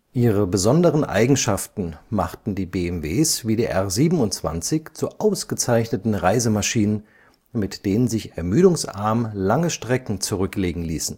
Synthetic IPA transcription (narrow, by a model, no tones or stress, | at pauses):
ʔiːʁ̞əbəzɔndəʁənʔa̰ɪɡŋ̩ʃaftn̩ma̰χtn̩diːbeːɛmveːsviːdeiːʔɛɐziːbm̩ʊntt͡sv̥a̰nt͡sɪçt͡suʔaʊsɡ̥ət͡saɪçnətn̩ʁaɪzəmaʃiːnən | mɪtd̥eːnənzɪçɛɐmyːɾʊŋsʔa̰ɐməlaŋəʃtʁ̥ɛkŋ̩t͡suʁʏkleːɡŋ̩lḭːsn̩